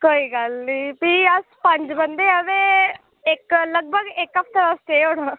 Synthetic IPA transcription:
koːiːkalnĩːpiːəspə̃ɲd͡ʒbə̃nd̪eːəʋeː | ɪkləɡ̚bʱəɡeːkəpʰt̪əʋəsʈ̪eːɦoːɽə

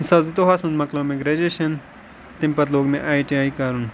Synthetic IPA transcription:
saːzit̪oɦaːsmɐnd̪mɐkloːmẽɡɾed͡ʒeːʃɐn | t̪ɪ̃mpɐt̪loːɡmẽʔaːjʈiaːikaːɾun

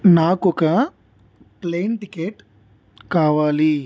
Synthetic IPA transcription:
naːkɔkɐ | plejnʈikeːʈ | kaːʋaːli

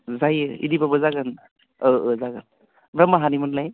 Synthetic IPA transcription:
zajḭdibabɯzaɡɯn | ɯɯzaɡɯn | bɾamaɦanimɯnlaj

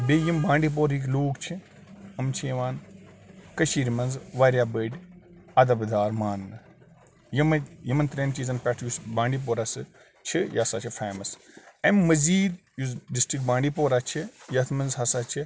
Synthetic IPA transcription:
bejimbãːɳɖiːp̬oːɾik̬ʲloːkt͡ʃʰi | ɐmt͡ʃʰijɐʋaːn | kɐʃiːɾmɐnzʋaːɾjaːbəːɖʲɐd̪ɐbd̪aːɾmaːnːɨ | jɐmjɐmɐnt̪ɾeːnt͡ʃiːzɐnpʲɛʈʰjusbãːɳɖiːp̬oːɾasɨ | t͡ʃʰijaːsa̰ːt͡ʃʰifʰeːmɐsɐmːɐziːd̪ | jusɖisʈik̚baːɳɖiːpoːɾat͡ʃʰijɐt̪ʰmɐnzɦɐsaːt͡ʃʰi

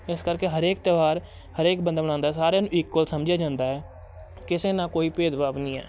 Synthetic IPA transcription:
ɪskəɾkeːɦəɾeːk̚t̪eːʋaːɾ | həɾeːk̚bənd̪aːbəɽ̃ãːnd̪aɛːsaːɾejaːnũːɪkːoːlsəmd͡ʒjaːd͡ʒãːnd̪aːɛː | kɪseːnãːkoːiːpeːd̪ʋaːʋnĩːɛ̰ː

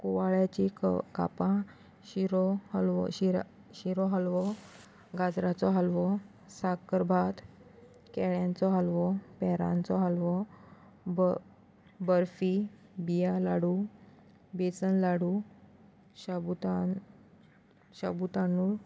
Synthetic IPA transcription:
koʋaɭjat͡ɕika̰pã | ɕiɾlɕi | ɕiɾɔɦəlʋɔ | ɡad͡zɾat͡sɔɦalʋɔ | sakəɾbʱat̪ | kɛɭjãnt͡sɔɦalʋɔpɛɾã̰nt͡sɔɦalʋɔ | b | bəɾfibijalaɽu | bet͡sənlaɽu | ɕabut̪a | ɕa̰but̪anu

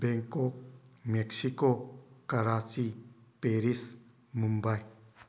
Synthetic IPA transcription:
beŋkok̚meksikokaɾat͡sipeɾis | mumbaj

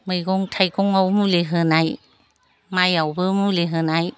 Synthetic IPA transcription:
mɯjɡɔŋtʰajkɔŋawmuleɦɯnaj | majawbɯmuleɦɯnaj

